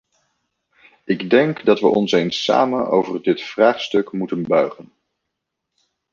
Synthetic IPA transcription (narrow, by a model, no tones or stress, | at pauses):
ɪɡdɛŋkdɑtʋə̰ʔɔnsejnsa̰ːməno̰wvərdɪtfraːχstɵkmutənbœɥχən